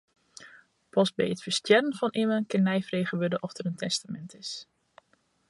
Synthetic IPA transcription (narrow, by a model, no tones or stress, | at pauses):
pɔs̚bɛ̰jətfəɹstjɛrənvɑnʔɪmənkɪnːɛjfreːχəʋødəʔɔftəɾəntʰɛstamɛntɪs